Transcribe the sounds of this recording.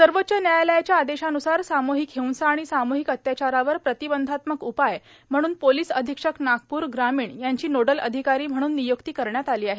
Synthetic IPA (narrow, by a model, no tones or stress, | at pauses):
səɾʋot̪ːɕənjajləjat͡ɕjaːd̪eɕanusaɾsamoɦikɦeunsaːɽ̃isamoɦikət̪jat͡ɕaɾaʋəɾpɾət̪ibənd̪ʱat̪məkupaj | m̤əɽ̃uːnpoliːsəd̪ʱikʂəknaɡ̚puːɾɡɾamiːɳjaɲt͡ɕiːnoɽələ̰d̪ʱikaɾiːm̤əɽ̃uːnːijokt̪iːkəɾɳjat̪aliːaɦe